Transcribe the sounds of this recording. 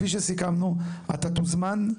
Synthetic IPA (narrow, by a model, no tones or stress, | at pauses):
iʃ̬esikamnuat̪at̪uzman